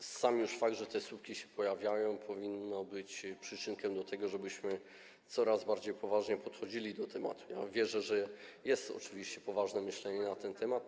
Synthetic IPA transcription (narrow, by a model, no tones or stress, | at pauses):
samjuʂfaɡ̚d̪ʐɛt̪ɛsup̚kʲiɕɛ̥pɔjavʲjajɔ̃w̃pʰɔvʲinːɔbɘt͡ɕpʂɘt͡ʂɘnkɛmd̪ɔt̪ʰɛɡɔʐɛbɘɕmɘ | t̪sɔɾazbaɾd͡ʑejpɔvaʐɲɛpɔt̪xɔd͡ʑilʲid̪ɔt̪ʰɛma̰t̪u̥ja̰vʲjɛʐɛʐɛjɛst̪ɔ̰t͡ʂɘvʲiɕt͡ɕɛpɔvaʐnɛmɘɕlɛɲɛnat̪ɛnt̪ʰɛmat̪̚